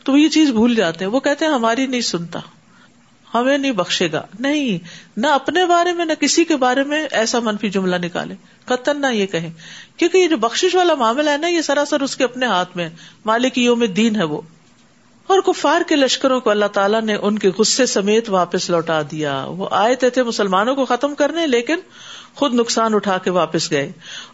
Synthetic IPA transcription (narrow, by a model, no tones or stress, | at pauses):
t̪oʋojet͡ʃiːzbʱuːld͡ʒaːt̪eɦɛ̃ʋokɛɦt̪eɦɛ̃ɦɐmaːɾinɐɦĩsʊnt̪a̰ː | hɐmẽnɐɦĩbɐxʃeːɡa̰ːnɐɦĩnɐɐpnebaːɾemẽnɐkɪsikebaːɾemẽʔɛːsamɐnfid͡ʒʊmlanɪka̰ːlẽː | kɐt̪əɾnajekɐɦẽːkjõːkijed͡ʒoːbɐxʃɪʃʋaːlamaːmɪlaɦɛnajesɐɾasɐɾʊskeɐpneɦaːt̪ʰmẽɦɛːmaːlɪkijõmẽd̪iːnɦɛʋo̰ː | ɔːɾkʊfaːɾkelɐʃkəɾõkoɐlːaɦt̪aːlaneʔʊnkeɣʊsːesɐmeːt̪ʋaːpəslɔːʈad̪ija̰ːʋo̰ʔa̰ːet̪et̪ʰemʊsəlmaːnõkoxɐt̪əmkɐɾneleːkɪn | xʊd̪nʊksaːnʊʈʰaːkeʋaːpəsɡɐeː